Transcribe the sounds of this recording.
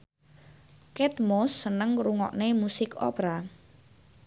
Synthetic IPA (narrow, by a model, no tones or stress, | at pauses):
kɛt̪mɔsːənəŋɾuŋɔ̰ʔnemusɪko̰pɾa